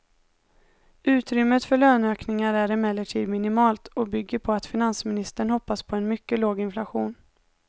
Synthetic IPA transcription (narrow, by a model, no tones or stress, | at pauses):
ʉ̟ːt̪ɾʏmːət̪fœɭøːnøːknɪŋaɾæɾɛmɛlːəʈʰiːd̪mɪnɪmɑːlt̪ɔbʏɡːəɾpʰɔat̪fɪnansmɪnɪst̪əɳhɔpːaspʰɔɛnmʏkːəloːɡɪnflaɧuːn